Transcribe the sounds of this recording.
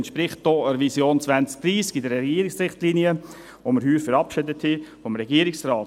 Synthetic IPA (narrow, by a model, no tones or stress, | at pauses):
ntʃpɾɪχt̚d̥ɔəɾvisjoːnt͡svænt͡sk̚d̥ɾiːskɪdəɾɛɡiːəɾɪksɾɪχtlinjə | voməɾhyːɾfəɾɑpʃɪdət̪ʰhɪfɔmɾɛɡiːəɾɪksrɑːt